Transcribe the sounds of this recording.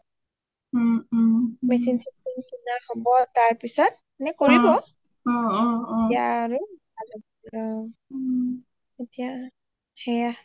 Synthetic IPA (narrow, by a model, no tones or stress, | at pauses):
mɛsinsistʰɛnkinahɔbɔtaɹpisɔt | nɛkoɹibɔ | ijaːɹu | adɔbɔɔ | etija | hɛja